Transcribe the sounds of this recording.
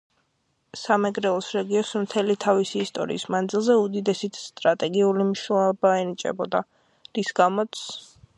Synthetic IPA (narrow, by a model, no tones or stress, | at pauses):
samɛɡɾɛlˠɔsɾɛɡiɔsmt̪ʰɛlit̪ʰavisiːst̪ʼɔ̰ɾḭːsmand̪zilˠzɛud̪id̪ɛsit̪ʰst̪ʼɾat̪ʼɛɡiulimʃaɔbaɛnit͡ʃʼɛ̰bɔd̪a | ɾisɡamɔt̪sʰ